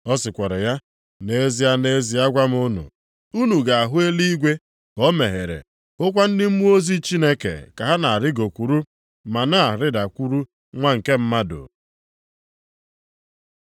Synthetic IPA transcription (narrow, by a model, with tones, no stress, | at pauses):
ɔ˦sɪ˨kʷɔ˨ɾɪ˨ja˦ | ne˦zi˨ja˦ne˦zi˨a˦ɡʷa˦m˦ʊ˦nṵ˨ | u˦nu˨ɡa˨a˨ɦʊ˦e˦li˦i˦ɡʷe˦ | kɔ˦me˨ɦe˨ɾḛ˨ | ʊ˦kʷa˦n̩˦dɪ˦m̩˦mu˦o˦zi˦t͡ʃi˦ne˦kḛ˨ka˨ɦa˦na˨a˨ɾɪ˦ɡo˨kʷu˨ɾu˦ | ma˨na˦˨a˨ɾɪ˦da˨kʷu˦ɾu˦ | ŋʷa˦ŋ̩˨ke˦m̩˦ma˦do̰˨